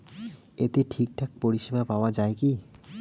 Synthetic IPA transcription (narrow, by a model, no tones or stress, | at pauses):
et̪eʈʰik̚ʈʰak̚poɾiʃibapaoad͡ʑaeki